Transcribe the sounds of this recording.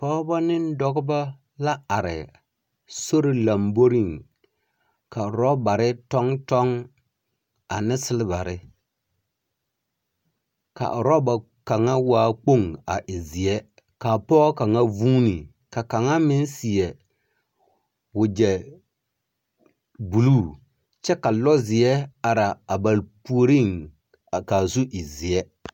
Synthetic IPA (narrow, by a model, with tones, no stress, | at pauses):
pɔː˦ba˦nɪ˦n˦dɔ˨ɡʊ˦ba˦ | la˦a˨ɾɪ̰˨ | so˦ɾi˦la˨mbo˦ɾi˦˨ŋ | ka˨ɾɔ˦ba˨ɾɪ˦tɔ˦ŋtɔ˦ŋ | a˨nɪ˦sɪ˦lɪ˦ba˨ɾɪ˦ | ka̰˨ʔɾɔ˦ba˨ | ka˨ŋa˦waː˦k͡po˦ŋa̰˨ʔɪ˨zɪ˨ɛ˦ | ka˨pɔ˦ka˨ŋa˦vuː˦ni˨ | ka˨ka˨ŋa˦mɪ˦n˦si˨ɛ˨ | wʊ˨d͡ʒɛ˨ | bu˨lu˦˨ | t͡ʃɛ˦ka˨lɔ˦zɪ˨ɛ˦a˨ɾa˨a˨ba˨lpu˦o˦ɾi˦˨ŋ˨ | ka˨zu˦ʔɪ˨zi˨ɛ˦